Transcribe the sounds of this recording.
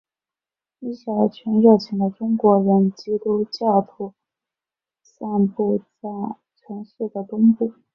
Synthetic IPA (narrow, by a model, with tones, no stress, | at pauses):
i˥˩ɕa˧˥˩t͡ɕʰɥɛ˧˥nɻɑ˥˩t͡ɕʰi˧˥ŋd̪ə˧ʈ͡ʂʊ˥ŋkwɔ˧˥ɻə˧˥nt͡ɕi˥t̪u˥t͡ɕjɑ˥˩t̪ʰu˧˥ | sa˥˧npu˥˧t͡sa˥˩ɪ | t͡ɕʰɥɛ˧˥nʂ̩˥˩d̪ə˩t̪ʊ˥ŋpu˥˩